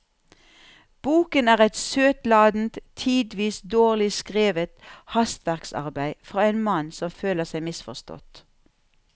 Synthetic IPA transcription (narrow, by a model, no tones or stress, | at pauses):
b̥uːkənæːʁɛt̪søːt̪lɑːd̪n̩t̪ʰiːd̪ʋiːsd̪oːʁlɪskʁeːʋət̪hɑst̪ʋæʁksɑ̰ʁbæɪfʁɑːeːnmɑnsɔmføːləʁsæɪmɪsfɔ̰st̪ɔ̰t̪